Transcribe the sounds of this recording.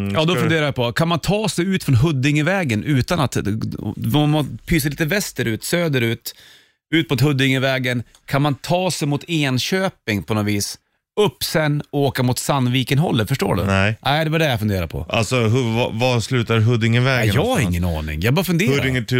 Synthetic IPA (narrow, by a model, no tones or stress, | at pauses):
jɑːd̪ɔfɵnd̪eːɾajapʰɔkʰanmant̪ʰɑːsɛjʉ̟ːt̪fɾɔnɦɵd̪ːɪŋəvɛːɡənʔʉ̟ːt̪anat̪ | ɔmpʰyːs̬əɾliːt̪əvɛst̪əɾʉ̟ːt̪søːd̪əɾʉ̟ːt̪ | ʉ̟ːt̪mʊt̪ɦɵd̪ːɪŋəvɛːɡən | kʰanmant̪ʰɑːsɛjmʊt̪ʰeːnɕøːpɪŋpʰɔnɔviːs | ɵpːsɛnːɔoːkamʊt̪sanːviːkɪnɦɔ̰lːəfœʂʈo̰ːɖɵ̰næɪd̪ɛvaɖɛjafɵnd̪eːɾa̰ɾpʰɔ̰ʔa̰lsɔɦv̰vaslʉːt̪aɦɵd̪ːɪŋəvɛɡjɑːɡaɾɪŋːənɑ̰ːɳɪ̰ŋjɑbɑːɾafɵnd̪eːɾd̪ɪŋəʈ